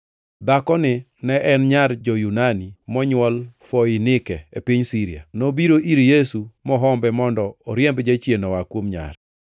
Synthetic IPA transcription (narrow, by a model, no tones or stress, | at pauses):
d̪akɔnɪ | nɛʔɛnɲaɾd͡ʒɔjunanimɔɲwɔlfɔɪnɪkɛepiɲsiɾia̰nobiɾoʔiɾjesumɔɦɔmbɛmɔndɔːɾjembd͡ʒat͡ʃjenɔwakwomɲa̰ɾɛ